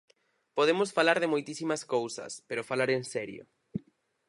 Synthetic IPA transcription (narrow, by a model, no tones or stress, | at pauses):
poðemʊsfalaɾðɪmojt̪isimaskowsɐ̰speɾofalaɾensɛɾjo̰